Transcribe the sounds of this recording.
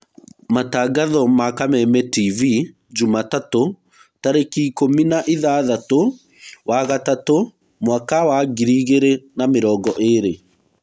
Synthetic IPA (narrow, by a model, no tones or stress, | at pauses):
mataːɡaðɔmakamɛmɛtivi | d͡ʒumatato | taɾekiːkominaʔeðaːðato | waɣatato | mwakawaɡiɾiːɣeɾenameɾɔːɡɔʔeɾe